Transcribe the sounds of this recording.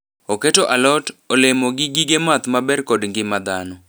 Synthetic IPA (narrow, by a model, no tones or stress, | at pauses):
oketoʔalɔtolɪmoɡɪɡɪɡemat̪mabɛrkodŋɡɪmad̪anɔ